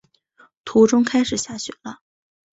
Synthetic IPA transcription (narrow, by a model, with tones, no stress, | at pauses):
t̪ʰu˧˥ʈ͡ʂʊ˥ŋkʰa˥ɪʂɻ̩˨˩ɕja˥˩ɕɥɛ̰˨˩˦lə˦